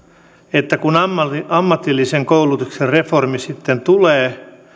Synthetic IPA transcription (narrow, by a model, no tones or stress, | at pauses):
et̪ːækunɑmːɑmːɑt̪ilːiseŋkoulut̪ukserreformisit̪ːent̪uleː